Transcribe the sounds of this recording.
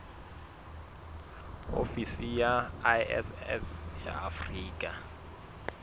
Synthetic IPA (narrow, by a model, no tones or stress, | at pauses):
o̰fisijaɛ̰sɛsja̰afriːkʼa